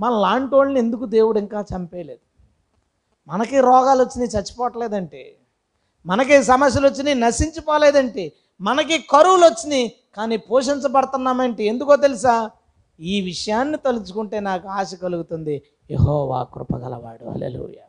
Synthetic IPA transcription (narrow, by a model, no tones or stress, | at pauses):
mɐnɐlaːɳʈoːlniend̪ukud̪e̞ːwuɽiŋkaːt͡ʃɐmpeːle̞ːd̪u̥ | mɐnɐkiɾɔːɡaːlot͡ʃːind̪it͡ʃɐt͡ʃːi̥pɔːʈɐleːd̪ɐɳʈḛː | mɐnɐk̬is̬ɐmɐs̬jɐlot͡ʃːininɐsiɲt͡ʃipɔːleːd̪ɐɳʈiː | mɐnɐk̬ikɐɾuwulot͡ʃːini | kaːniːpoːʂ̬iɲt͡ʃɐpɐɽɐt̪unːaːmɐɳʈie̞nd̪ukoːt̪̬elis̬aː | iːʋiʂɐjaːnːit̪olut͡ʃu̥kuɳʈe̞ːnaːkuaːʃɐkɐluɡut̪und̪i | jeɦɔːʋa̰ːkɾṵpɐ̰ɡɐ̰lɐ̰ʋa̰ːɽṵɦɐ̰lḛːlṵːja̰ː